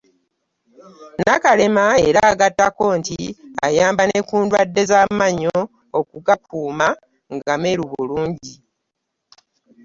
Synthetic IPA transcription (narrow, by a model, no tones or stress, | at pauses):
nakale̞mae̞ɾaɡatːako̞ːntia̰jaːmbane̞kuːndwadːe̞zaːmaɲoː | kuɡapuːma | ŋɡame̞ɾuβuluːɲɟi